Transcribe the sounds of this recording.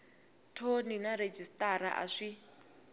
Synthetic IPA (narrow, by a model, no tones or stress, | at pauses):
tʰoninaɾed͡ʒistʼaɾa̰ʔa̰ʂi